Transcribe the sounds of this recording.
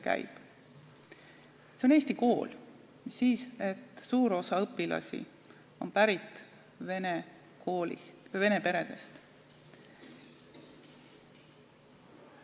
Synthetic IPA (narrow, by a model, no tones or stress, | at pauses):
kæ̰jb̥ | seo̞neːsʲt̪iko̞ːl | misːiːse̞t̪ːsuːɾo̞sɑɤpːilɑ̰sʲḭ | o̞̰npæɾit̪ːˑ | vene | koːlḭsve̞ne̞pe̞ɾe̞d̪̥e̞st̪